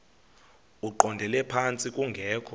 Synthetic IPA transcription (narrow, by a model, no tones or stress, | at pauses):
uǃɔndʱɛlɛpʰant͡sʼikʼuŋɡʱɛːkʰɔ